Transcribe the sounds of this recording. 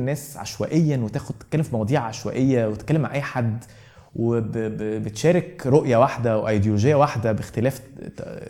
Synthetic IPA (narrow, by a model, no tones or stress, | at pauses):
nːæːsʕa̰ʃwæ̰ʔejːænwet̪æːxod̪̚t̪e̥kælːemfimɑwɑd̪ˤiːʕʕaʃwæ̰ʔejːæwet̪et̪kælːemʕaʕʔæjːħad̪ | webbbet̪ʃæːɾekɾˤoʔjæwaħd̪æweʔɑjd̪joloʒejːæwaħd̪æbext̪elæːf